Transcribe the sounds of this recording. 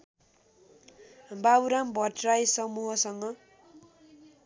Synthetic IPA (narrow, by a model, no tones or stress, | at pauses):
bawɾambʱʌʈrajsʌmuɦʌsʌŋɡʌ